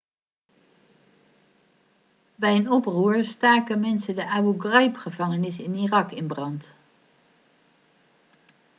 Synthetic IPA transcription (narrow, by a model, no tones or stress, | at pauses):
bɛjənɔpruːɹstaːkənmɛnsədəʔaːwuɡrajpχəvɑŋənɪsɪnirɑkɪnbrɑnt